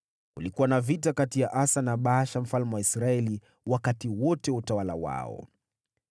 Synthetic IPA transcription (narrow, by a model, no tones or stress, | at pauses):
kulikuwanavitakatijaʔasanaɓaʃam̩falmɛwaisɾaɛli | wakatiwɔtɛutawalawa̰ɔ̰